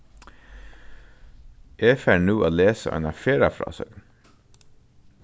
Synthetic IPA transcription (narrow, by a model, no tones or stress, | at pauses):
ʔeːfæːɳuːʔoːleːsə̰ʔɛ̰ːnɑfeːɾɑfɾɑ̰ːsḛːɡ